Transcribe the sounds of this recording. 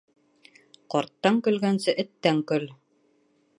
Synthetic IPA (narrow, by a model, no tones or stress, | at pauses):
qɒɾt̪ːɑŋkɵ̆lɡænsɘʔɘ̆t̪ːæŋkɵl